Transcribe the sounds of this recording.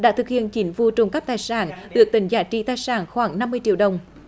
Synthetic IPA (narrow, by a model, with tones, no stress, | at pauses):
ɗa̰ː˧˥t̪ɨ˨˩k̚hḭ˧˨ənt͡ɕi˨˦nvu˧t͡ɕʊ˨˧˩ŋ͡mka˦˥p̚t̪aː˨˩jsaː˧˩nɗɨ˨˩ək̚t̪ï˨˩ŋzaː˨˩t͡ɕḭ˧˥t̪aː˧jsaː˨˩nxwaː˧˩˦ŋna˧mːɨ˧əjt͡ɕḭ˧˨əwɗə˨˩wŋ͡m